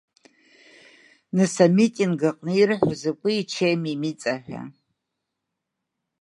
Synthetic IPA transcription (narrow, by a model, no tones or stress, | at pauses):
nɨsamitʼinɡaqʼnɨirħʷazakʷʼɨit͡ʃʰejmimit͡sʼaħʷᶣa̰